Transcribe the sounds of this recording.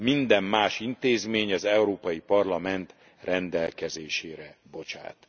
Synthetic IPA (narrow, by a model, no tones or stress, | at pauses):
mind̪ɛmːaːʃint̪eːzmeːɲɒzɛuɾoːpɒjipɒrlɒmɛnt̪ | rɛnd̪ɛlkɛzeːʃeːɾɛbo̞t͡ʃa̰ːt̪